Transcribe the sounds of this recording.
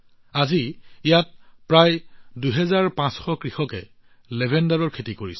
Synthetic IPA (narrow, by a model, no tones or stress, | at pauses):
aziijat̚pɹajduɦɛzaɹpãsxɔkɹixɔkɛ | lebʱɛndaɹɔɹkʰetikoɹisɛ